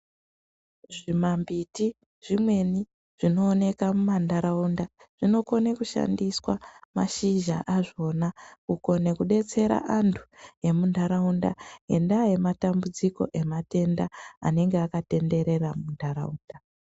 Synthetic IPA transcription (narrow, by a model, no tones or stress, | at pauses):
ʐimambiti | ʐ̥imwe̞ni | ʐ̥ino̞ːne̞kamumandaɾaunda | ʐ̥ino̞ko̞nekuʃa̰ndiswama̰ʃiʒaʔaʐo̞nauko̞ne̞kuɗe̞t͡se̞ɾa̰ʔantʰu̥e̞mundʱaɾaunda̰e̞̰ndaje̞matambud͡ziko̞̰ʔe̞mate̞ndaa̰ne̞ŋɡeakate̞nde̞ɾe̞ramundaɾa̰uːnda